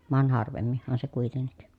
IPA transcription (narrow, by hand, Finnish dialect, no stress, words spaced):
ʋɑn hɑrʋemːihːɑn se kuitenːik